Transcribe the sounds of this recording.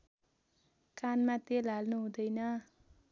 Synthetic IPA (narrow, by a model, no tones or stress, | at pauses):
kanmat̪elalnuɦũd̪ʌjnʌ